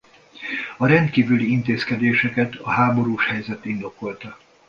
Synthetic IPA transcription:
ɒɾɛnt̪kiːvyliint̪eːskɛd̪eːʃɛkɛt̪ɒɦaːbo̞ɾuːʃhɛjzɛt̪ind̪o̞ko̞lt̪ɒ

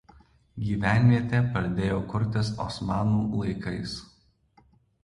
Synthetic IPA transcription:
ɡʲiːʋʲæˑnʲʋʲiɛt̪ʲepɐɾʲd̪ʲeːjoːkʊɾʲt̪ʲɪsɔ̰smɑːnuːlˠɐɪkɐɪs

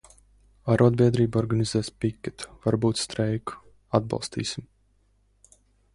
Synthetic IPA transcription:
aɾɔɔd̪̚bʲiɛd̪ɾiːbɔɾɡanʲizɛːspikʲːɛt̪vaɾbuːt̪st̪ɾɛjku̥ | ad̪̚bɑ̰lˠst̪ḭːsim

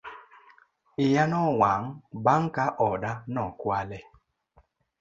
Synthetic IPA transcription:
ɪjanɔwaŋ̩baŋ̩kaʔɔɗanɔkwalɛ

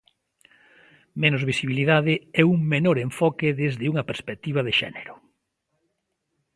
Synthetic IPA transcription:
menʊzβisiβiliðaðɪɛuŋmenoɾeɱfɔkɪðezðɪuŋɐpeɾspek̚t̪iβɐðeʃɛ̰neɾʊ

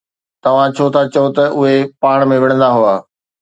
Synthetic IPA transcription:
t̪ɐʋ̤ãt͡ɕʰot̪ʰat͡ɕɐot̪ɐʔʊɦepaːɽ̃mẽʋɪɽ̃ə̃nd̪aɦuaː

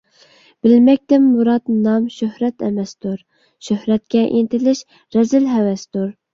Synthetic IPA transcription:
b̥ɪlmɛk̚ʲt̪ɪmːuɾɑt̪nɑmʃøhɾɛt̪ɛ̰mɛst̪uɾ | ʃøhɾɛt̪̚kʲɛʔint̪ɪlɪʃ | ɾɛzɪlɦɛwɛst̪uɾ

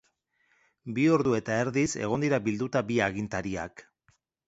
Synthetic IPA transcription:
bio̞ɾðue̞t̪ae̞ɾðise̞̰ɣo̞nd̪iɾabild̪ut̪abiaɣint̪aɾia̰k

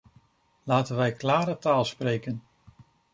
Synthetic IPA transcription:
laːtənʋɛjklaːɾətaːlˠsprejkən

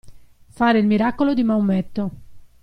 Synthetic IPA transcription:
faːɾeilmiɾakːolod̪imawmɛt̪ːo

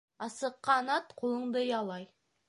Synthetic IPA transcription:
ɑsəqːɑnɑt̪qʰolˠəɴd̪əjɑlˠɑj

